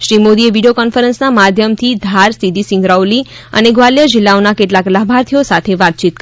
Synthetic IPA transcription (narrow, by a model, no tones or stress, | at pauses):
ʃɾimod̪ieʋiɖijokɔnfəɾənsnamad̪ʱjəmt̪ʰid̪ʱaɾsid̪ʱisɪ̃ŋɡɾawli | ə̰neɡʋaljad͡ʒilːaonakeʈlaklabʱaɾt̪ʰijosat̪ʰeʋat̪̚t͡ʃit̪k